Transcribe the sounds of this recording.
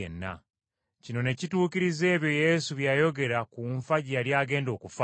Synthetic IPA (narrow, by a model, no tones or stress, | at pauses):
ḛnːa̰ | cino̞ne̞cituːkiɾize̞ːβjo̞je̞suβjaːjo̞ɡe̞ɾakuɱfaɟialjaːɡe̞ːndo̞ːkufa